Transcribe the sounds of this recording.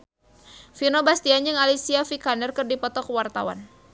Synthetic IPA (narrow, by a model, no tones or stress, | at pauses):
finobast̪iaɲd͡ʒɨŋalisiafikanərkɨrdipɔt̪ɔkwart̪a̰wa̰n